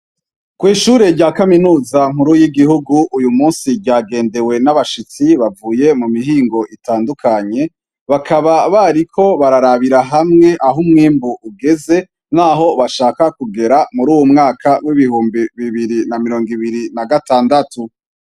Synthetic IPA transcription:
kwiːʃuɾe̞ɾɟaːkaminuːzaŋ̥huɾujiɡihuɡuʔujumuːnsiɾɟaːɡe̞ːnde̞we̞naβaʃit͡siβavuːje̞mumiɦiːŋɡo̞ʔitaːndukʰaɲe̞ | βakaβaβaɾikʰo̞βaɾaɾaβiɾaɦamŋe̞ʔaɦumŋiːmbuʔuɡe̞ze̞ | naːɦo̞βaʃaːkakuɡe̞ɾamuɾuːwumŋaːkʰawiβihuːmbiβiβiɾinamiɾo̞ːŋɡiβiɾinaɡataːndatʰu

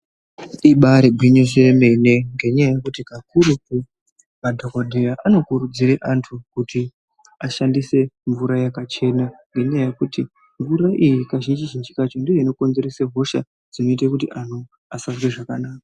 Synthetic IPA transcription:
iɓaɾebʱwiɲoseme̞ne̞ŋɡe̞ɲajajekutikakuɾupu | madʱokodʱejaʔano̞kuɾud͡ziɾeʔantʰukuti | aʃandise̞ɱvuɾajakat͡ʃe̞naŋɡe̞ɲajaje̞kuti | ɱvuɾaʔijikaʒind͡ʒiʒind͡ʒikat͡ʃo̞ndijoino̞ko̞nze̞ɾeseɦo̞ʃa | d͡zino̞itakutiʔan̤u | asazwe̞ʐakanaːka

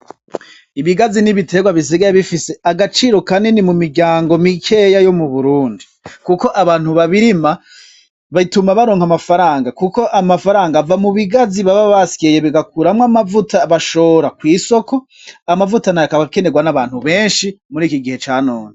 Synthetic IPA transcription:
iβiɡaziniβite̞ɡwaβis̬iɡajeβifise̞aɡat͡ʃiːɾo̞kaninimumiɾɟaːŋɡo̞mikʰe̞jajo̞muβuɾuːndikuko̞ʔaβaːn̥huβaβiɾima | βaitumaβaɾoːŋhamafaɾaːŋɡakuko̞ʔamafaɾaːŋɡavamuβiɡaziβaβaβaskejeβiɡakuɾamŋamavutaβaʃo̞ːɾakwiːso̞ko̞ | amavutanajakaβake̞ne̞ɡwanaβaːn̥huβe̞ːnʃimuɾiːkiɡihe̞t͡ʃaːnoːne

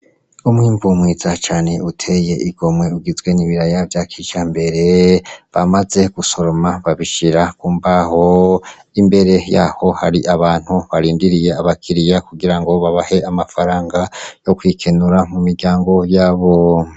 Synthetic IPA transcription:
umwiːmbumwiːzat͡ʃaːne̞utʰe̞je̞ʔiɡo̞mwe̞uɡizɡwe̞niβiɾajavjakʰit͡ʃambe̞ɾe̞βamaze̞ɡ̥uso̞ɾo̞maβaβiʃiɾakuːmbaho̞ | imbe̞ɾe̞jaːho̞haɾiʔaβaːn̥huβaɾiːndiɾije̞aβakʰiɾijakuɡiɾaŋɡo̞βaβahe̞amafaɾaːŋɡajo̞kwikʰe̞nuɾamumiɾɟaːŋɡo̞jaːβo̞

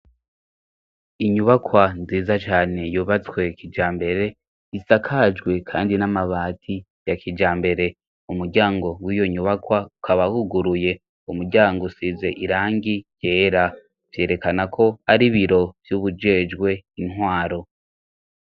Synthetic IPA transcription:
iɲuβakwanziːzat͡ʃaːne̞juːβat͡swe̞kʰid͡ʒaːmbe̞ɾe̞ | isakʰad͡ʒɡwe̞kʰa̰ːndinamaβaːtʰi | jakʰid͡ʒaːmbe̞ɾe̞ | umuɾɟaːŋɡo̞wiːjo̞ɲuβakwaukʰaβahuɡuɾuje̞ | umuɾɟaːŋɡosize̞ʔiɾaːŋɡije̞ːɾa | v̥je̞ːɾe̞kanakʰo̞aɾiβiɾo̞vjuβud͡ʒe̞ːd͡ʒɡwe̞inhwaːɾo̞

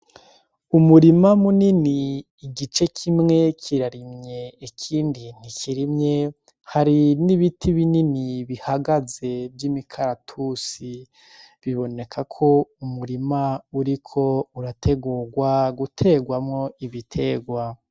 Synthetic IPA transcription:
umuɾimamuniniː | ɡit͡ʃe̞kʰimŋe̞kʰiɾaɾimɲe̞ːkʰiːndin̥ikiɾimɲe̞ | haɾiniβitʰiβininiβihaɡaze̞bjimikʰaɾatʰusi | βiβo̞ne̞kʰakʰo̞umuɾimauɾikʰo̞uɾatʰe̞ɡuːɾɡwaɡutʰe̞ɡwamŋo̞iβitʰe̞ːɡwa

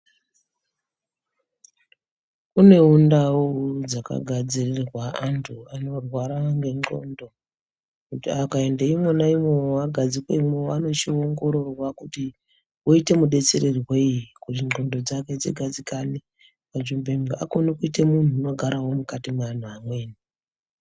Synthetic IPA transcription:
une̞undaod͡zaka̰ɡʱad͡zirirrwaantʰuano̞rwaɾaŋɡe̞ŋ͡ǃo̞̰ndo̞ | kutiakae̞ndeimonaimweaɡʱad͡zikweimewano̞t͡ʃio̞ŋɡo̞ɾo̞rwakuti | woite̞muɗe̞t͡se̞ɾeriweiikutiŋ͡ǃo̞ndo̞d͡zake̞d͡zḛɡʱad͡zikane | pad͡ʒumbemɡa̰ko̞nikuitemun̤uːno̞ɡʱaɾawo̞mukatiman̤uamwe̞ːni

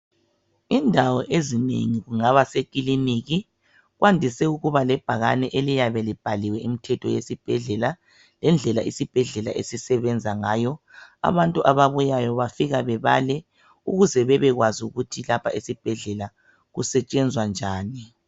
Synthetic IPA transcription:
indʱawɔʔezinḛŋiɣuŋaβasekʼiliniɣi | ɣwandʱisɛuɣuβalɛb̥ʱaɣanɛʔelijaβɛlib̥ʱaliwɛim̩tʰɛtʰɔjesib̥ʱɛɮɛla | lɛnd͡ɮʱɛlaʔisib̥ʱɛɮɛlaʔesisɛβɛnd͡zʱaŋaːjɔa̰βantʼuʔaβaβujajɔβafiɣaβɛβalɛ | uɣuzɛβɛβɛɣwazuɣutʰilapʰaʔisib̥ʱɛɮɛla | ɣusɛt͡ʃʼɛnd͡zʱwand͡ʒʱaːni

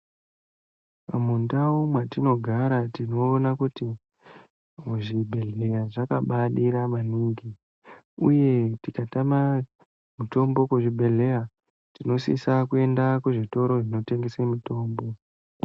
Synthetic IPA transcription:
amundaumwatino̞ɡʱaɾatino̞ːnakuti | muʐibʱe̞ɮe̞raʐakaɓaɗiɾamaniːŋɡi | uje̞tikatama | muto̞mbo̞kuʐibʱe̞ɮe̞ja | tino̞sḭsakue̞ndakuʐito̞ɾo̞ʐino̞te̞ŋɡesemito̞ːmbo̞

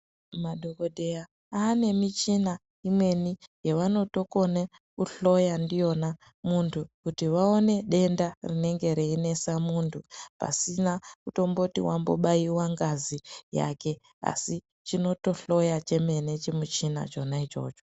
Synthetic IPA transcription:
maɗokodʱe̞ja | aːne̞mit͡ʃina | imwe̞nijeʋano̞to̞ko̞ne | kuɬo̞jandijo̞na | muntʰukutiʋaone̞ɗe̞ndarine̞ŋɡe̞ɾeine̞samuntʰupa̰sinakuto̞mbotḭwambo̞̰ɓaiwaŋɡazija̰ke̞ | a̰si | t͡ʃino̞to̞ɬo̞jat͡ʃe̞me̞ne̞t͡ʃemut͡ʃina̰t͡ʃo̞nait͡ʃo̞̰ːt͡ʃo

